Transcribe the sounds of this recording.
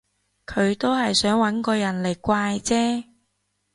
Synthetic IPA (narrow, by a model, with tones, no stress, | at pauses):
kʰɵ˨˧ɥt̪o˥wɦɐ˨jsœː˨˥ŋwɐ˨˥nkɔː˧jɐ˨˩nle˨˩jkʷaː˧jt͡sɛː˥